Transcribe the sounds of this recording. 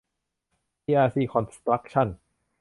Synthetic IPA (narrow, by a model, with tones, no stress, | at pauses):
i˧ʔaː˧siː˥˩kʰɔ˧nst̪ɾa˦˥k̚t͡ɕʰa˥˩n